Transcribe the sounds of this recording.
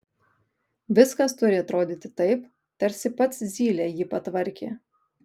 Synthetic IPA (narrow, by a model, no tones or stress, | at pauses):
ʋʲɪskɐst̪ʊɾʲɪɐt̪ɾoːd̪ʲiːt̪ʲɪ̥t̪ɐɪp | t̪ɐɾʲsʲɪpɐt̪szʲiːlʲeːjiːpɐt̪ʋɐɾʲkʲḛː